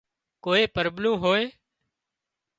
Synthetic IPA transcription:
koːeːpəɾblũːɦoːeː

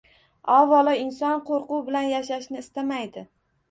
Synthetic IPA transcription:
ɒvɒlˠɪɪnsɒnqʰoɾqʊwbɪlanjaʃaʃnɪːst̪amajd̪ɪ

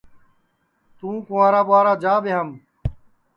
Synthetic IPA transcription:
t̪ũːkõːãːɾaːɓʊaːɾaːd͡ʒaːbeːɦəm

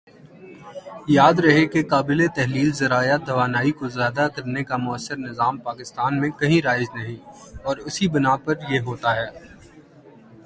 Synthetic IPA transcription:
jaːd̪ɾɐɦekekaːbɪlet̪ɛɦliːlzɐɾaːjad̪ʱɐʋaːnaːikozjaːd̪akɐɾnekamʊəsːəɾnɪzaːmpaːkɪst̪aːnmẽkɐɦĩɾaːɪznɐɦĩɔːɾʊsibɪnaːpɐɾjeɦoːt̪aɦɛː

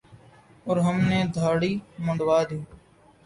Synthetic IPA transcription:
ɔːɾɦəmneːd̪ʱaːɽiːməɳɖʋaːd̪iː

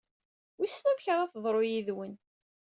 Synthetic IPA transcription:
wisːnæmçʁæθðˤɾˤojiðwən

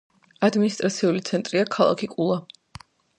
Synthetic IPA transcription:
ad̪minist̪ʼɾat̪sʰiulit̪sʰɛnt̪ʼɾiakʰalˠa̰kʰikʼulˠa

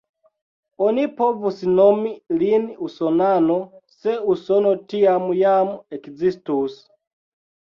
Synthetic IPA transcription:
ɔnipʰɔvusinɔmiliniusɔnanɔsɛusɔnɔtiamujamuɛkd͡zistus

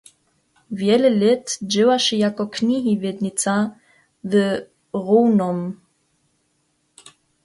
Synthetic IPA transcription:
vjɛləlɪtd͡ʒɪwaʃijakɔkʰniɦivjɛd̪nit͡sa | və | ʁoːnɔm

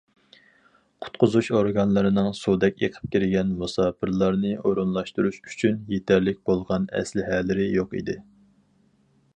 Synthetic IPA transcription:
qʰʊ̥t̪qʊzuʃoɾɡɑnlˠɨɾɨnɨŋsud̪ɛkʲjḛqʰə̥p̚kʲiɾɪɡʲɛnmusɑːpʰɨɾlˠɑɾnɨoɾunlˠɑʃt̪uɾuʃy̥t͡ʃʰynjet̪ʰæɾlɪk̚ʲbolˠʁɑnɛ̰slɪɦɛlɪɾɪjoqḭd̪ɪ

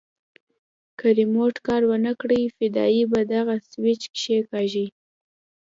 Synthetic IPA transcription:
kəɾimoʈkɑɾwənəkɽəjfɪd̪ɑ̰ibad̪aɣaswɪt͡ʃkʃekɑʒi

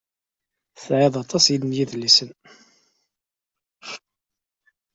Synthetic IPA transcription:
θʕɪðˤɑt̪ˤɑsjid̪ənjiðlːisən

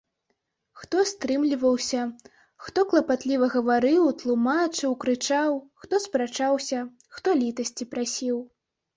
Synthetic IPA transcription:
xt̪ɔst̪ɾɨmlʲivɐwsʲɐ | xt̪ɔklˠɐpat̪lʲivɐɣɐvaɾɨwt̪lˠumat͡ʂɨwkɾɨt͡ʂawxt̪ɔspɾat͡ʂawsʲɐ | xt̪ɔlʲit̪ɐsʲt͡sʲipɾasʲiw

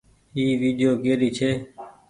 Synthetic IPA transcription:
iːʋiːɖɪjoːkeːɾiːt͡ʃʰeː

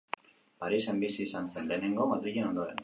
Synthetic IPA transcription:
paɾise̞mbisiːsanse̞nle̞ːne̞ŋɡo̞maðɾiʎe̞no̞nd̪o̞ɾe̞̰n

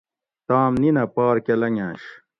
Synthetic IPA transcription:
t̪aːmninɐpaːɾkelɐŋãːɕ

